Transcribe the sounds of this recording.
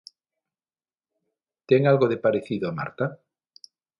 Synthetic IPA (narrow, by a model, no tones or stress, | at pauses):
t̪eŋalɣoðepaɾeθiðoama̰ɾt̪a